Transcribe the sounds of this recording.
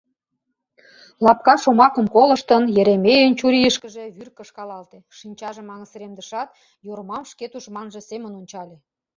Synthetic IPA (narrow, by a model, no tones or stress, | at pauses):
lɑp̚kɑʃomɑkə̆mkolə̆ʃt̪ənjĕɾemejənt͡ɕuɾʲijəʃkəʒe̽βyrkəʃkɑlɑlt̪eʃinʲt͡ɕɑʒemɑŋəsɾemd̪əʃɑt̪ | joɾmɑmʃket̪uʃmɑnʒə̆semə̆nonʲt͡ɕɑlʲe